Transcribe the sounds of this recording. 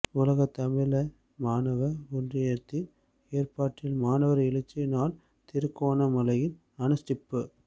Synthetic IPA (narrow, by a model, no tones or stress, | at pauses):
ʊlɐɣɐt̪ɐmɪlɐ | maːnɐʋɐɔndrɪjeːɾt̪ɪn | eːrpaːʈːɪlmaːnɐʋɐɾɪlɐt͡ʃːɐnaːl | t̪ɪɾɯkːoːnɐmɐlɐjɪn | ɐnɐsʈɪpːɯ